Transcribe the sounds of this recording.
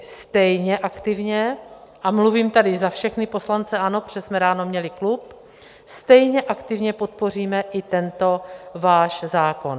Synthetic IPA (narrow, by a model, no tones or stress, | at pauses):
st̪ɛjɲɛʔakt̪ɪvɲɛʔamluviːmt̪adɪzafʃɛxnɪpo̞slant͡sɛʔano̞pʒ̥ɛsmɛɾaːno̞mɲɛlɪklup | st̪ɛjɲɛʔakt̪ɪvɲɛpo̞t̪̚po̞r̝iːmɛʔɪt̪ɛnt̪o̞vaːʃzaːkon